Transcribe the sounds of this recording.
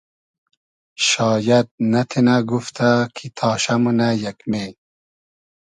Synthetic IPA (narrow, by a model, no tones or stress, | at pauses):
ʃɑːjad̪̚nat̪ʰenaɡuft̪ʰakʰit̪ʰɑːɕamunajakmeː